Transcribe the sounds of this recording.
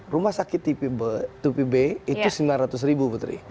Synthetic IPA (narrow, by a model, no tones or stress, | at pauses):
rumahsakɪt̪ːit̪upibeit̪usəmbilanɾat̪ʊs̬ɾibuput̪ɾḭ